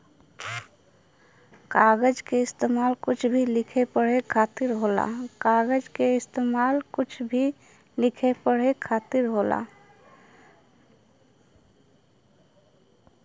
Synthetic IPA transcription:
kaːɡəd͡ʒkeɪst̪eːmaːlkʊt͡ʃʰbʱilɪkʰepəɽ̤ekʰaːt̪ɪɾɦoːla̰kaːɡəd͡ʒkeɪst̪eːmaːlkʊt͡ʃʰbʱi | lɪkʰepəɽ̤ekʰaːt̪ɪɾɦoːla̰

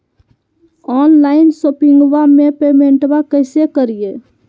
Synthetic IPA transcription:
ɔːnlaːɪnsopɪ̃ŋɡwamẽpeːmẽɳʈbakəɪsekəɾije

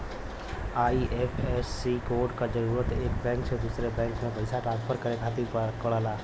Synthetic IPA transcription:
aːiʔepʰɛsːikoːɾɖkad͡ʒəɾuːɾət̪eːkbɛ̃ːŋksed̪uːsɾebɛ̃ːŋkmẽpəɪsaʈɾãːnspʰəɾkəɾekʰaːt̪̬ikəɽaːlaː

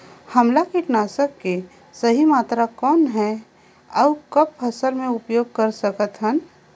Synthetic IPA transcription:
hɐmlakiʈnaːsəkːe | səɦimaːt̪ɾakɔːnɦɛ | ɔːkɐp̚fʰɐsəlmẽʊpjoːɡ̚kɐɾsɐkət̪ɦən

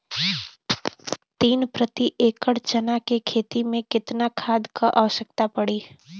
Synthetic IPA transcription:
t̪iːnpɾət̪iʔeːkəɽt͡ʃɐnakekʰeːt̪imẽkɪt̪nakʰaːd̪kaʔaːʋəʃəkt̪apɐɽiː

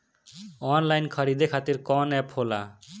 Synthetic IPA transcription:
ɔnlajnkʰʌɾid̪ekʰat̪iɾkɔnɛphola̰

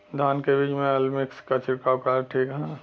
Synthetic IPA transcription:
d̪ʱaːnkebiːd͡ʒmẽɐlmɪkskat͡ʃʰɪɾkakaːɾʈʰiːkɦã

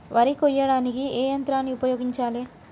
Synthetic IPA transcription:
ʋɐɾikɔjːɐɽaːnikieːjɐnt̪ɾaːnːiupɐjoːɡiɲt͡ʃaːleː

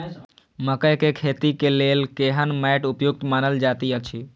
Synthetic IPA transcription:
məkəjkekʰet̪ikelelkeɦənmɛʈupjuk̚t̪manəld͡ʒat̪iət͡ʃʰi

